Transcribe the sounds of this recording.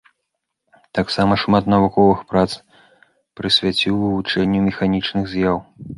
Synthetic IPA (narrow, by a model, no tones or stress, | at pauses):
t̪aksamɐʂmat̪nɐvukɔvɨxpɾat̪s | pɾɨsʲvʲat͡sʲiwvɨvut͡ʂɛnʲːumʲɛxanʲit͡ʂnɨɣzʲjaw